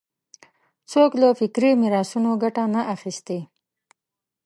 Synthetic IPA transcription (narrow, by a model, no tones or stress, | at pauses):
t͡soklafɪkɾimiɾɑsunoɡaʈanaʔaxist̪e